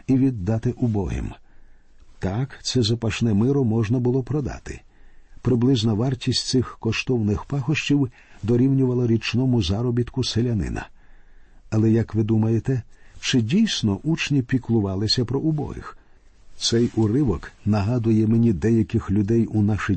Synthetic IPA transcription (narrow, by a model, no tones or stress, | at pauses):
iʋʲid̪ːɑt̪ɪʔʊbɔɦɪ̰m | t̪ɑkt̪sɛzɐpɐʃnɛmɪɾɔmɔʒnɐbʊlˠɔpɾɔd̪ɑ̰t̪ɪ̥̰ | pɾɪblˠɪznɐʋɑrtʲisʲt̪ʲsɪxkɔʃt̪ɔwnɪxpɑxɔʃt͡ʃiw | d̪ɔɾʲiwnʲʊʋɐlˠɐɾʲit͡ʃnɔmʊzɑɾɔbʲit̪kʊselʲɐnɪ̰nɐ̰ | ɐlˠɛjɐkʋɪd̪umɐjet̪ɛt͡ʃɪdʲijsʲnɔʔut͡ʃnʲipʲiklˠʊʋɑlˠɪsʲɐpɾɔʊbɔ̰ɦɪ̰x | t̪sɛjʊɾɪʋɔknɐɦɑd̪ʊjɛmenʲid̪ɛjɐkɪxlʲʊd̪ɛjʊnɑʃɪ